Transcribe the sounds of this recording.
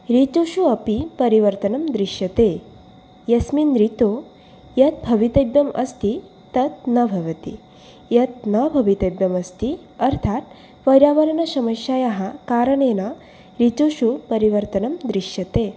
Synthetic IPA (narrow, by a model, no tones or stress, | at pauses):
ɾit̪oʃuɐpipɐɾiʋɐɾt̪ɐnɐmd̪ɾiʃjɐt̪e | jɐsminɾit̪o | jɐt̪̚bʱɐʋit̪ɐjbjɐmɐst̪i | t̪ɐt̪̚nɐbʱɐʋɐt̪ḭ | jɐt̪̚nɐbʱɐʋit̪ɐbjɐmɐst̪i | ɐɾt̪ʰat̪ | ʋɐɾjaːʋɐɾɐnɐsɐmɐʃjaːjaɦɐkaːɾɐɳenɐ | ɾit̪oʃupɐɾiʋɐɾt̪ɐnɐmd̪ɾiʃjɐt̪e